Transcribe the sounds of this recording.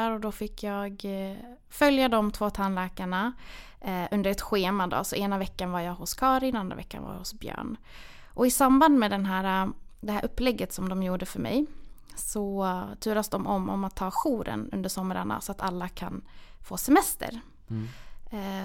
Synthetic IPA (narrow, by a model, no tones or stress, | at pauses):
ɾɔd̪ɔfɪkʰːjɑːɡ | fœljad̪ɔmt̪ʰvoːt̪ʰanlɛːkaɳa | ʔɵnd̪əɾɛt̪ɧeːmad̪ɔ̰ːsɔʔeːnavɛkːanvaɾjaɡhʊskʰɑːɾɪnand̪ɾa̰vɛ̰kːa̰nva̰j̰hʊsbjœ̰ːɳ | ʔɔɪsamband̪mɛd̪ɛnɦæːɾad̪ɛɦæːɾʔɵpːlɛɡːət̪sɔmd̪ɔmjuːɖəfœɾmɛ̰j | sɔt̪ʰʉ̟ːɾasd̪ɔmɔmːɔ̰mat̪ʰːɑːɧuːɾə̰nɵ̰nd̪əʂɔmɾa̰ɳa̰sɔat̪alːakʰa̰nfoːsɛmɛst̪ə̰ɾ